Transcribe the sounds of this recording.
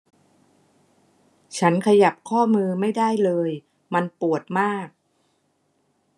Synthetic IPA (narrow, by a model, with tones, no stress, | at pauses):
t͡ɕʰa˦˥nkʰa˧ja˨˩p̚kʰɔː˥˩mɯː˧ma˥˩jda˥˩jlɤː˧j | ma˧npu˨˩ət̪̚maː˥˩k̚